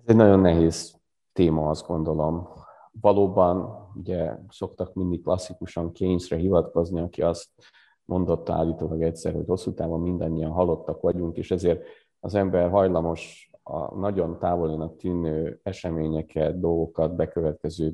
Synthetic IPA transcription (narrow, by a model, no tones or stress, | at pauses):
ɛzɛɟnɒɟo̞nːɛɦeːz̥ | t̪eːmɒɒzd̪ɡo̞nd̪o̞lo̞m | vɒloːbɒnuɟɛso̞kt̪ɒkmind̪ikːlɒsːikuʃɒŋkeːɲʃrɛɦivɒt̪ko̞zniɒkiɒst̪ | mʔo̞nd̪o̞t̪ːɒa̰ːlːiːt̪oːlɒɡɛcsɛ̰ɾho̞cho̞sːut̪aːbommind̪ɒɲːijɒnɦɒlːo̞t̪ːɒkʋɒɟuŋkeːʃɛzeːr | ɒzɛmbɛrɦɒjlɒmo̞ʃɒ̰nɒɟo̞nt̪aːvo̞linɒkt̪yːnøːɛʃɛmeːɲɛkʰɛt̪̚d̪o̞lɡo̞kɒd̪bɛkøvɛt̪kɛzøː